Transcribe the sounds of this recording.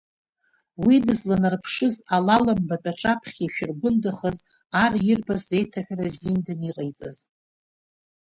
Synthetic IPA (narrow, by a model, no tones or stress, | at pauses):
widɨzlanarpʰʂɨzalalambatʼaʈ͡ʂʼapʰχʲiʃᶣɪrɡʷʊndɨχəz | arjɪrbase̞jtʰaħʲᶣrazimdɨniqʼejt͡sʼa̰z